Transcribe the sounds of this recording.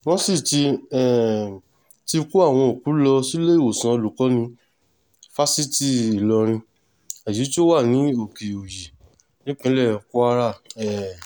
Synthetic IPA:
w̃ɔ̃˦si˦˨ti˧ɛ˨ | ti˧ku˦a˦˨w̃ɔ̃˧o˨ku˨˦lɔ˧si˦le˦i˦˨wo˨sã˨˦o˧lu˨kɔ˨˦nĩ˧ | fa˦si˦ti˦˨i˨lɔ˧ɾ̃ĩ˧ | a˨ji˨˦to˦wa˦˨nĩ˨˦o˨ki˨o˨ji˨ | nĩ˦k͡pĩ˦lɛ˦˨ku˦a˦ɾa˦˨ɛ˨

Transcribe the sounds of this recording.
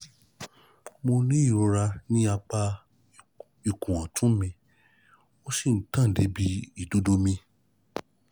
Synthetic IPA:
mo˧nĩ˦i˦˨ɾo˧ɾa˧nĩ˦a˧k͡pa˧ | i˨kũ˨wã˨tũ˨˦mĩ˧ | o˦si˦˨n̩˦tã˦˨de˨˦bi˧˦i˦˨do˨˦do˧˦mĩ˧

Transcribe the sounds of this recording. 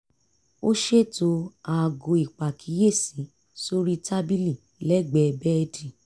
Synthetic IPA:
o˦ʃe˦˨to˧˦a˨ɡo˨˧˨i˨k͡pa˨kʰi˨˦je˦˨sĩ˨˦ | so˦ɾi˦ta˦bi˦li˦˨ | lɛ˦ɡ͡bɛ˨˧bɛ˦ɛ˧di˨

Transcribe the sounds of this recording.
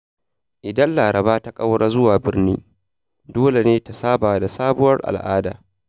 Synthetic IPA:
ʔɪ˨dɐ˦nlaː˨ɾɐ˨βaː˦ta˦kʼa˦wɽaː˦zʊ˦waː˨bɪ˦rniː˦ | doː˦le˨neː˦ta˨saː˦baː˨da˨saː˦bʊ˦wɐ˦rʔa̰˨lʔa̰ː˦da̰ː˨

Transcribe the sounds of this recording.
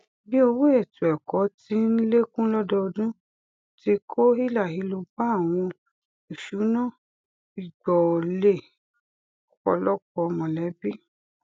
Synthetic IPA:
bi˦o˧we˦ɛ˦˨tu˨ɛ˨kɔ˨˦ti˦n̩˦le˦kũ˦lɔ˦dɔ˦˧dũ˦ | ti˧˦kʰo˦ɦi˦˨la˦˨ɦi˨˦lo˧ba˦a˦˨w̃ɔ̃˧ | i˨ʃu˨˦nã˦˨ | i˨ɡ͡bɔ˨le˦˨ | kɔ̰˧lɔ˦kɔ˧mɔ̃˨lɛ˨˦bi˦

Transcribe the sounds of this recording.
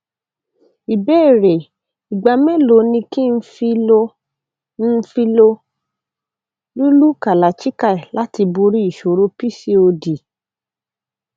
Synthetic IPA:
i˨be˦e˦˨ɾe˨ | i˨ɡ͡ba˨mɛ̃˦lo˨˦nĩ˧ki˦n̩˦fi˧o˧ | n̩˦fi˧lo˧ | lu˦lu˦ka˨la˨t͡ʃi˦ka˦˨ɛ˨la˦ti˧bu˧ɾi˦i˦˨ʃo˨ɾo˦pi˦si˦o˧di˨

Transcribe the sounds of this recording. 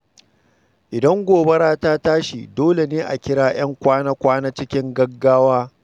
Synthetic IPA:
ʔɪ˨dɐ˦ŋɡʷoː˨bɐ˦ɽaː˦taː˦taː˦ʃi˨doː˦le˨neː˦ʔa̰˨kʲɪ˦ɽaː˦j̰ɐ˦ŋkʷaː˦na˦kʷaː˦na˦t͡ʃɪ˦kʲɪ˦ŋɡɐ˦ɡːaː˦waː˦

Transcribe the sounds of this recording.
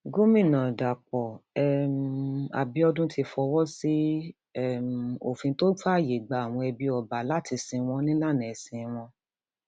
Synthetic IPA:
ɡo˦mĩ˦˨nã˨da˨k͡pɔ˨ɛ˦ma̰˨bi˨˧ɔ˧dũ˦tʰi˧fɔ˧wɔ˦si˦ | ɛ˦˨m˨o̰˨fĩ˧to˦ɡ͡ba˦˨je˨ɡ͡ba˧˦a˨w̃ɔ̃˧ɛ˧bi˧ɔ˨ba˨la˦˨ti˧sĩ˧w̃ɔ̃˧˦nĩ˦la˦˨nĩ˨ɛ˨sĩ˧w̃ɔ̃˧

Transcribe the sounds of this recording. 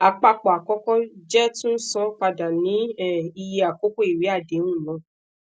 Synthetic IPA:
a˨k͡pa˧k͡pɔ˨a˨kɔ˧˦kɔ̃˦d͡ʒɛ˦tũ˦n̩˦sɔ̃˧k͡pa˧da˨nĩ˨˦ɛ˦˨i˧je˧a˨ko˦ko˦i˨wi˨˦a˦˨dẽ˨˦ũ˦˨lɔ̃˨˧˦

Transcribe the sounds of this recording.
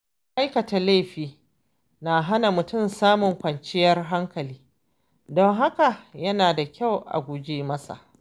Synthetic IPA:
ʔa˦jkɐ˨ta˨le˦˨ɸiː˦ | na˨ɦa˦na˨mʊ˨tʊ˦˨msaː˦mʊ˨ŋkʷɐ˨nt͡ʃɪ˦jɐ˦rɦa˦ŋkɐ˨liː˦ | dɔ˦ŋɦa˦ka˨jɐ˦naː˨da˨kʲa˦˨wʔa̰˨ɡʷʊ˨d͡ʒeː˦mɐ˦sa̰˨ʔ

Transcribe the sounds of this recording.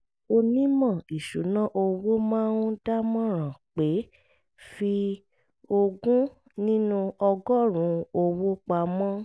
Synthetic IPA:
o˧nĩ˦mã˦˨i˨ʃu˨˦nã˦ʔo˧wo˦mãː˦ũ˦da˦mɔ̃˦ɾ̃ã˨k͡pe˨˦ | fi˧ | o˧ɡũ˦ | nĩ˦nũ˦ɔ˧ɡɔ˦˨ɾ̃ũ˨˧˦o˧wo˦k͡pa˧mɔ̃˦

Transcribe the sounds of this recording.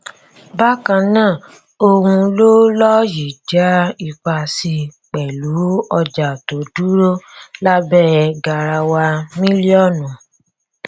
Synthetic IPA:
ba˦kã˧nãː˦˨ | o˧hũ˧lo˦lɔ˦ji˨d͡ʒa˨˦i˧k͡pa˧si˧k͡pɛ˨lu˨˦ɔ˧d͡ʒa˨to˨˦du˦ɾo˦la˦bɛ˦˨ɡa˨ɾa˧wa˧mĩ˦li˦ɔ˦˨nũ˨

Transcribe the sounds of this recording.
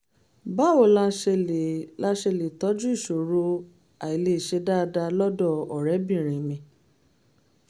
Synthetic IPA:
ba˦wo˦˨la˦ʃla˦ʃe˧le˨tɔ˨˦d͡ʒu˦i˦˨ʃo˨ɾo˧ | a˨i˨le˨ʃe˧da˦˧da˧lɔ˦dɔ˦˨ɔ˨ɾɛ˨˦bĩ˦˨ɾ̃ĩ˨mĩ˨˧˦

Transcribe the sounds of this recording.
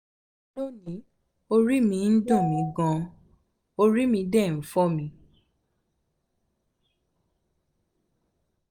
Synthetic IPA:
lo˦˨nĩ˨˦ | o˧ɾi˦mĩ˧n̩˦dɔ̃˦˨mĩ˨˦ɡɔ̃˧ | o˧ɾi˦mĩ˧dɛ˦˨n̩˨˦fɔ˦mĩ˧

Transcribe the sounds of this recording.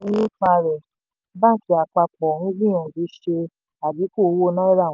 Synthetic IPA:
i˦nũ˦k͡pa˧ɾɛ˨ | ba˦˨ki˨˦a˨k͡pa˧k͡pɔ˨ɾũ˦bĩ˦ã˨bi˨˦ʃe˧ | a˨bi˨˦ko˦˨˦wo˦˧nã˦i˦ɾã˦˨˦

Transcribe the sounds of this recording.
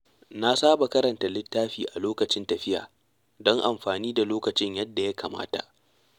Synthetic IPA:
na˦saː˦ba˨kɐ˦ɾɐ˨nta˨lɪ˦tːaː˦ɸiː˨ʔa˨loː˦kɐ˨t͡ʃɪ˦ntɐ˨ɸɪ˦ja̰ː˨ | dɔ˦ŋʔa˨mɸaː˨niː˦da˨loː˦kɐ˨t͡ʃɪ˦ɲjɐ˦dːa˨ja˦kaː˨ma̰ː˦ta̰˨ʔ

